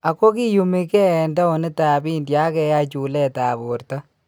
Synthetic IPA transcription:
a˨ko˦ki˦ju˨mi˦kɛ˦˨nda˦o˨nɪ˦ta˨bi˦ndja˦kɛ˨ja˦t͡ʃu˨lɛ˦ta˨bo˨ɾta˦

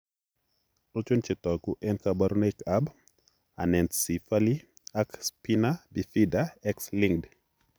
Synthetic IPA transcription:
to˦t͡ʃu˦nt͡ʃɪ˨t̪ɔ˨ɡu˦ʔɛ˦nkaba˦ɾu˦ne˦kʰab | a̰˨nɛ˨nsi˨fali | a˦kspinabi˨fidaɛksliŋd

